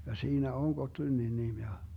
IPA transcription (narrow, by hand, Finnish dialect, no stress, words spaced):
jɑ siːnæ on ɡotlynːin nim jɑ